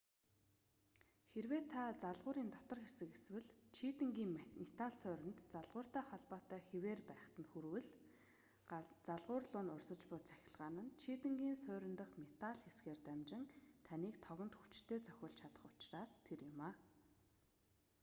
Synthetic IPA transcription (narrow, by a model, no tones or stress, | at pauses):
xerweːt̪ʰːat͡saɮʁʊːɾiːnt̪ɔt̪ɞ̆rxesɘ̆keswɘ̆ɮt͡ɕʰit̪ɘ̆ŋɡiːŋmet̪aɮsœːɾʲɪ̆nt̪t͡saɮʁʊːr̥t̪æːχɔɮpɔːt̪œːxeweːrpæːχt̪ə̆nxuɾwɘ̆ɮ | t͡saɮʁʊːrɮʊːnʊrsə̆t͡ɕpʊːt͡sʰæ̥xʲɪ̆ɮʁaːnə̆nt͡ɕʰit̪ɘ̆ŋɡʲiːnsʊːɾʲɪ̆nt̪ə̆χmet̪aɮxesɡeːrt̪æmt͡ɕɪ̆ŋt̪ʰaniːkt̪ʰɔɣɞ̆nt̪xut͡ɕt̪ʰeːt͡sʰœ̥xʲɪ̆ːɮt͡ɕʰat̪ə̆χʊ̥t͡ɕraːst̪ʰerjɪmaː